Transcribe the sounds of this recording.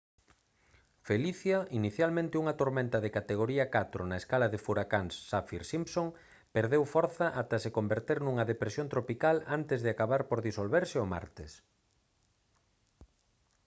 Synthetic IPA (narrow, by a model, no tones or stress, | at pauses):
feliθjɐiniθjalmẽnt̪ɪuŋɐt̪oɾmẽnt̪ɐðekat̪eɣ̞oɾiɐkat̪ɾonɐeskalɐðefuɾakaŋsːafiɾsimpsoŋ | peɾðewfɔɾθɐʔat̪ɐsekombeɾt̪eɾnuŋɐðepɾesjõnt̪ɾopikalant̪ezðeakaβaɾpoɾðisolβeɾsɪoma̰ɾt̪es